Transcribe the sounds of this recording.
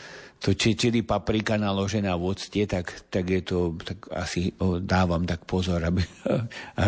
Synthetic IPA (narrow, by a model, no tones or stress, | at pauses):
t̪ɔt͡ʃɛt͡ʃɛd̪ipapɾikanalɔʒɛnaːʋʊɔt͡scɛt̪akt̪aɡjɛt̪ɔt̪aɡa̰sid̪aːʋamt̪akpɔzɔɾabi